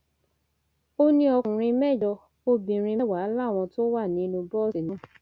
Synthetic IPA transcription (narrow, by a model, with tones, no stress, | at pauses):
o˦nĩ˧ɔ˧kũ˨ɾ̃ĩ˧mɛ˦˨jɔ˧ | o˧bĩ˨ɾ̃ĩ˧ɛ˦˨wa˨˦˨la˦˨w̃ɔ̃˧to˦wa˦˨nĩ˨˦nũ˧bɔ˦˨si˨nɔ̃˨˦